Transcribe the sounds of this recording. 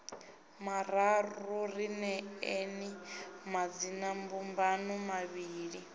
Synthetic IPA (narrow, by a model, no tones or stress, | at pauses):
maɾarurinɛenimad͡zinambumbanumaβiːɺi